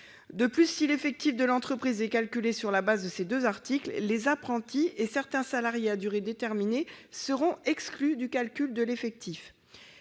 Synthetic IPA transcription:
d̪əplysːilefɛk̚t̪ifd̪əlɑ̃t̪χəpχizɛkalkʲylesyʁlabazd̪əsed̪øzaʁt̪ikllezapχɑ̃t̪iesɛʁt̪ɛ̃salaʁjead̪yʁed̪et̪ɛʁminesəʁɔ̃ɛksklyd̪ykalkʲyld̪əlefɛk̚t̪if

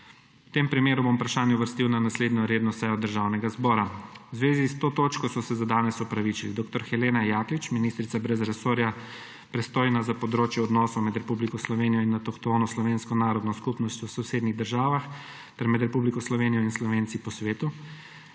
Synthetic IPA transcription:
wt̪eːmpɾimeːɾubomupɾaʃaːnjɛwʋəɾst̪iwnanasleːd̪nɔɾeːd̪nɔsɛjɔd̪əɾʒaːwnɛɡazbɔːɾawzʋeːzist̪oːt̪oːt͡ʃkɔsɔsɛzad̪aːnɛsɔpɾaʋit͡ʃilḭd̪oːkt̪ɔɾxɛleːnajaːklit͡ʃminist̪ɾit̪sabɾɛzɾɛsoːɾja | pɾɛst̪oːjnazapɔd̪ɾoːt͡ʃjɛɔd̪nɔːsɔmɛd̪ɾɛpublikɔslɔʋeːnijɔinːat̪ɔxt̪oːnɔslɔʋeːnskɔnaːɾɔd̪nɔskupnɔst̪ʲjɔwsɔwseːd̪niɣd̪əɾʒaːʋax | t̪ɛɾmɛd̪ɾɛpublikɔslɔʋeːnijɔinslɔʋeːnsipɔsʋeːt̪u

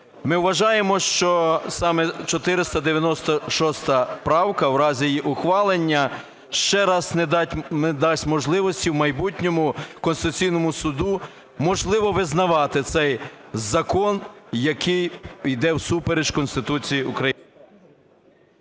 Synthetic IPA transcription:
mɪwʋɐʒɑjemɔʃt͡ʃɔsɑmɛt͡ʃɔt̪ɪɾɪst̪ɐd̪eʋʲjɐnɔst̪ɔʃɔst̪ɐpɾɑwkɐwɾɑzʲijjiʔʊxʋɑlˠenʲːɐ | ʃt͡ʃɛɾɑsned̪ʲmed̪ɑsʲtʲmɔʒlˠɪʋɔsʲtʲiwmɐjbutʲnʲɔmʊkɔnsɪt̪ʊt͡sʲijnɔmʊsʊd̪u | mɔʒlˠɪʋɔʋɪznɐʋɑt̪ɪt̪sɛjzɐkɔnjɐkʰɪjid̪ɛwsupeɾeʒkɔnst̪ɪt̪ut͡sʲijiṵkɾɐj

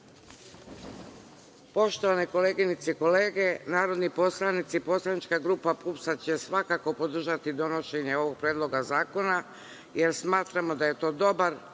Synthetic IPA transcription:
po̞ʃt̪o̞ʋaneko̞leːɡinit̪seko̞le̞ːɡe̞naːɾo̞d̪nipo̞slˠanit̪sipo̞slˠanit͡ʃkaɡɾuːpapupsat͡ɕe̞sʋakako̞po̞d̪r̩ʒat̪id̪o̞no̞ʃe̞ɲe̞o̞ʋo̞ɡ̚pɾeːd̪lˠo̞ɡazaːko̞na | je̞ɾsmaːt̪ɾamo̞d̪aje̞t̪o̞ːd̪o̞baɾ

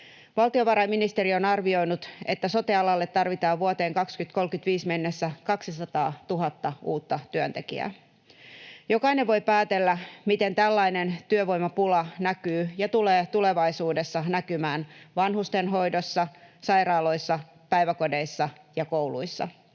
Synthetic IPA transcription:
ʋɑlt̪io̞ʋɑɾɑjminist̪eɾio̞nɑrʋio̞jnut̪e̞t̪ːæso̞t̪iɑlɑlːe̞t̪ːɑrʋit̪ɑːʋʋuot̪e̞ːŋkɑkskyt̪ko̞lkyt̪ʋiːsme̞nːesːækɑksisɑt̪ɑːt̪uɦɑt̪ːɑuːt̪ːɑt̪yønt̪e̞kḭæ̰ | jo̞kɑine̞ʋʋo̞jpæːt̪e̞lːæmit̪e̞nt̪ælːɑjne̞nt̪yøʋo̞jmɑpulɑnækyːjɑt̪uleːt̪ule̞ʋɑjsuːdesːɑnækymæːnʋɑnhust̪e̞nɦo̞jdo̞sːɑsɑjɾɑːlo̞isːɑ | pæjʋæko̞de̞jsːɑjɑko̞wlṵjsːɑ̰

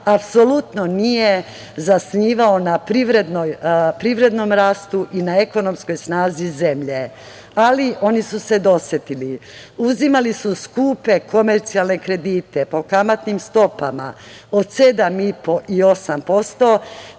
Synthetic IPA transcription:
apso̞lut̪nonije | zasniːʋaonapɾiʋɾe̞d̪nojpɾiʋɾe̞d̪no̞mɾaːst̪uʔinae̞ko̞no̞msko̞jsnaːzize̞mʎe̞ | aliʔo̞nisuse̞d̪o̞sjet̪ili | uzimalisuskuːpe̞ko̞me̞ɾt̪sialne̞kɾe̞d̪iːt̪e̞po̞kamat̪nimst̪o̞pama̰ | o̞d̪se̞d̪amipo̞ʔio̞sampo̞st̪o̞

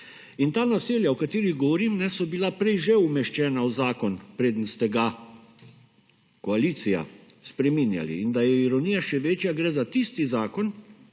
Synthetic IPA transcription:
int̪aːnaseːljawkat̪iːɾiɣɡɔʋɔɾiːmnɛsɔbilapɾɛjʒɛumɛʃt͡ʃɛːnawzaːkɔnpɾeːd̪ənst̪ɛɡa | kɔaliːt̪sija̰spɾɛminja̰lḭːnd̪ajɛiɾɔnijaʃɛʋeːt͡ʃjaɡɾɛːzat̪ist̪izaːkɔn

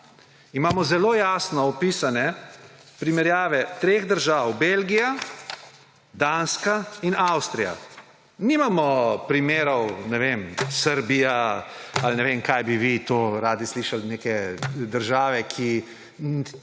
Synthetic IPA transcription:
imaːmɔzɛloːjaːsnɔɔpiːsanɛ | pɾimɛɾjaːʋɛt̪ɾeːɣd̪əɾʒaːwbelɡija | d̪anskainawst̪ɾija̰ | nimamɔpɾimeːɾɔwnɛʋemsəɾbijaalnɛʋemkajbiʋit̪oːɾaːd̪isliːʃalneːkɛd̪əɾʒaːʋɛkʰi

